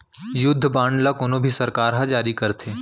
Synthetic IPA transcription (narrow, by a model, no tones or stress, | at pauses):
jʊd̪ʱːbãːɳɖlakʊnõbʱisɐɾkaːɾɦãd͡ʒaːɾikɐɾt̪ʰeː